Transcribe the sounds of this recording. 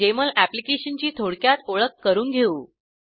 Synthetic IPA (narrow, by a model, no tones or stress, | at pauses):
eməɭʔæplikeɕənt͡ɕiːt̪ʰoɽkjat̪oɭəkːəɾuːnɡʱeuː